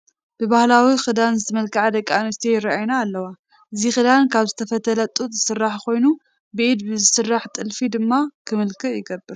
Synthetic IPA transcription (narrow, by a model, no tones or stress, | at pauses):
b̥ɨbahlawixɨd̪anzɨt̪ʰɐmɐlkʰɨʕad̪ɐkʼːanɐst̪ʰejɪɾaajnaːlːɐwa | ʔɨzixɨd̪ankʰaβzɨt̪ʰɐfɐt̪ʰɐlɐt̪ʼut̪ʼz̥ɨsɨrːaħkʰo̞jnu | bid̪bɨzɨsɨrːaħt̪ʼɨlfid̪ɨmːakʰɨmɨlkʰɨʔjɪɡɐbːɨɾ